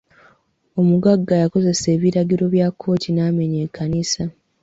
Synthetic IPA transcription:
o̞muɡaɡːajako̞ze̞se̞ːβiɾaɡiɾo̞βjakʰːo̞ːtʰinaːme̞ɲe̞kʰːanisa

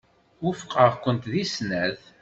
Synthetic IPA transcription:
ufqəʁkʷːənt̪ðisnæð

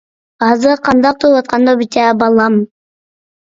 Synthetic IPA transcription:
ɑzɯqʰɑnd̪ɑq̚t̪ʰuwɑt̪̚qɑnd̪obit̪ʲæbɑlˠɑm

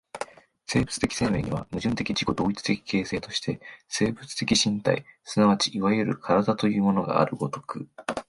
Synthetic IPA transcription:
se̞ːbɯ̟t͡sɨ̥t̪e̞kʲi̥se̞ːme̞ːɲ̟iβa̰mɯ̟ʑɨ̃nt̪e̞kʲid͡ʑiko̞d̪o̞ːit͡sɨ̥t̪e̞kʲi̥ke̞ːse̞ːt̪o̞ɕi̥t̪e̞se̞ːbɯ̟t͡sɨ̥t̪e̞kʲiɕĩnt̪a̰isɨnaβat͡ɕiʔiβajɯ̟ɾɯ̟kʰaɾad̪at̪o̞jɯ̟ːmo̞no̞ɡa̰ːɾɯ̟ɡo̞t̪o̞̥kɯ̟

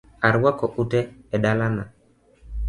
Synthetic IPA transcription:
aɾwakɔʔutɛɛdalana

